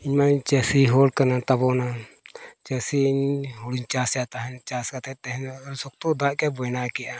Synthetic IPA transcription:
iɲmaɲt͡ʃasiɦɔlkanat̪abɔna | t͡ʃasiiɲɦɔɽiɲt͡ʃasjat̪aɦɛnt͡ʃaskat̪ɛt̪ɛɦɛnsɔk̚t̪ɔd̪aʔkɛbɔjnakɛʔa

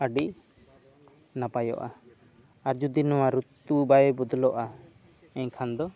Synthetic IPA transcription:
əɖiʔ | napajɔ̰ʔa | aɾd͡ʒud̪inɔwaɾut̪ːubajɔbud̪ʱlɔʔa | ɛɲkʰand̪ɔ

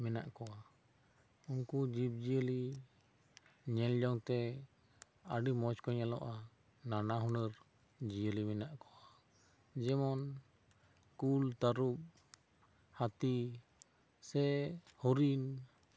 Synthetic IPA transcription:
mɛnaʔkɔa | unkud͡ʒip̚d͡ʒijəli | ɲɛljɔŋt̪ɛ | əɖimɔt͡ʃkɔɲalɔ̰ʔa | nanaɦɔnəɾ | d͡ʒijəlimɛnaʔkɔwa | d͡ʒɛmɔn | kult̪aɾup̚ | hat̪i | sɛhɔɾin

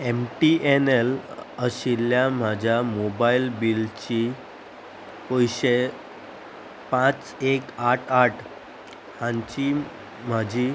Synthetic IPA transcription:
emʈiʔeneləɕiljam̤ad͡ʑʱjamobailbilt͡ɕi | ojɕe | pãt͡s | ekaʈʰaʈʰ | hãɲt͡ɕi | m̤ad͡ʑʱi

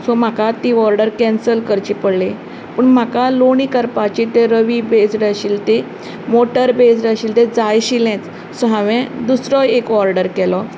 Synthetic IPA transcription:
sɔm̤akat̪iɔɾɖəɾkɛ̃nsəlkəɾt͡ɕipəɽle | pəɳm̤akaloɳikəɾpat͡ɕit̪eɾəʋibesɾɕiːlt̪e | moʈəɾbesɾaɕiːlt̪ed͡zajɕilɛ̃t͡s | sɔɦãʋɛ̃d̪usɾɔekɔɾɖəɾkɛlɔ

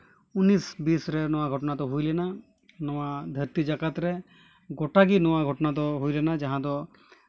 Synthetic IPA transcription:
unisbisɾenɔʋaɡʱɔʈnat̪ɔɦulena | nɔʋad̪ʱəɾt̪id͡ʒakat̪ɾe | ɡɔʈaɡinɔʋaɡʱɔʈnat̪̬ɔɦuilenad͡ʒaɦãd̪ɔ

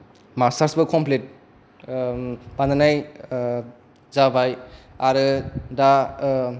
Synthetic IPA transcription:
masaɾsbɯkʰɔmplet̚ | bandanaj | zabajaɾɯda

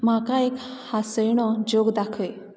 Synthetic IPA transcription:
makaekhasəjɽ̃ɔd͡ʒoɡd̪akʰəj

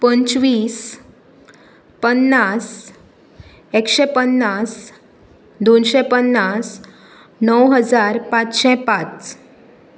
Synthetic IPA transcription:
pənt͡ɕʋiːs | pənːas | ekɕɛpənːas | d̪onɕɛpənːas | nəwɦəd͡zaɾpat͡sɕɛ̃pat͡s

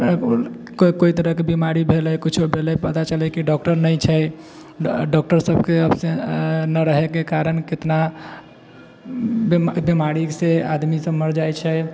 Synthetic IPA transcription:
kkoit̪əɾəɦkebimaɾibʱelɛkit͡ʃʰobʱelɛpət̪at͡ʃəlɛkiɖɔk̚ʈəɾnəjt͡ʃʰɛ | ɖɔk̚ʈəɾsəbkeəbsenəɾəɦekekaɾənket̪na | bbemaɾisead̪misəbməɾd͡ʒajt͡ʃʰɛ

